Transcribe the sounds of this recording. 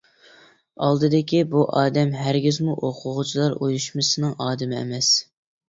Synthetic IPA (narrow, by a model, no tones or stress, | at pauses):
ɑlˠd̪ɨd̪ɪkʲibuʔɑːd̪ɛmɦæɾɡʲizmuʔoqʰʊʁʊt͡ʃʰilˠɑɾʔojuʃmɨsɨnɨŋʔɑːd̪ɨmɪɛ̰mɛs